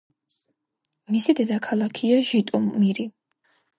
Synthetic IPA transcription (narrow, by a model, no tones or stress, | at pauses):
misid̪ɛd̪akʰalˠakʰiaʒit̪ʼɔmmːiɾi